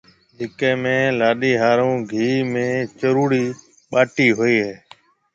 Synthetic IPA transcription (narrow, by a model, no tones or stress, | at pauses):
d͡ʒɪkẽːmẽːlaːɗiːɦaːɾõːɡʱiːmẽːt͡ʃəɾuːɾiː | ɓaːʈiːɦoːiːɦeː